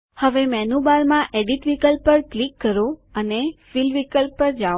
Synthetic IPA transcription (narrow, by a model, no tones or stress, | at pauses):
həʋemɛnubalmãʔeɖiʈʋikəlpːəɾklikːəɾoənefilʋikəlpːəɾd͡ʒa